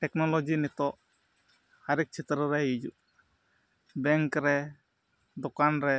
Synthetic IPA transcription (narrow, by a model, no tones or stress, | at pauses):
ʈɛknɔlɔd͡ʒinɛt̪ɔʔ | haɾik̚t͡ʃʰit̪ɾəɾɛjid͡ʒṵ | bɛŋkɾɛ | d̪ɔkanɾɛ